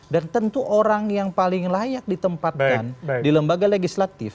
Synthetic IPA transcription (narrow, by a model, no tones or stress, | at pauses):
dant̪ənt̪uʔoɾaŋjaŋpalɪŋlajak̚dit̪əmpat̪̚andiləmbaɡaleɡislat̪ɪf